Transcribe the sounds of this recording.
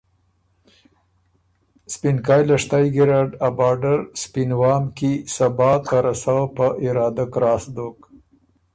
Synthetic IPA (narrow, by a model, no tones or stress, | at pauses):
spinkɑjlaʂt̪ɑjɡɪɾɑɖabɑɖaɾspinwɑːmkisabɑt̪aɾasawpəʔɪɾɑd̪akɾɑːsd̪ok